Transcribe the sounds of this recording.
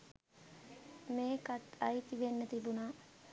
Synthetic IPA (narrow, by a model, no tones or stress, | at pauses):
meːkat̪ɐjit̪iʋenːət̪ibunaː